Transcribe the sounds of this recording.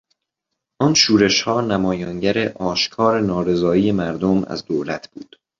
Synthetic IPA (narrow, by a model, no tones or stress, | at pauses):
ʔɒːnʃuːɾe̞ʃhɒːnæmɒːjɒːŋɟæɾe̞ʔɒːʃkʰɒːɾenɒːɾe̞zɒːiːje̞mæɾd̪omæ̰zd̪oːlæt̪ʰb̥ṵːd̪̥